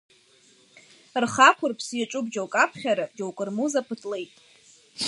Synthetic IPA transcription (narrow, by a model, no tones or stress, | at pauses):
rχakʷʰʊrpʰsjaʈ͡ʂʼʊbd͡ʒowkʼapʰχʲaɾad͡ʒowkʼɨrmuzapʰɨtʰʼle̞jtʼ